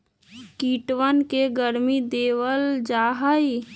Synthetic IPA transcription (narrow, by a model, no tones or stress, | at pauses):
kiːʈwənkeɡəɾmid̪eːwəld͡ʒaːɦəi